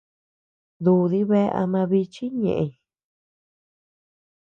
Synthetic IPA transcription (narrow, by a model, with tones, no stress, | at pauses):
d̪u˧ði˧˦βe˦˧ʔa̰˧mã˧βi˧t͡ʃi˦ɲḛ̃˨ʔe˧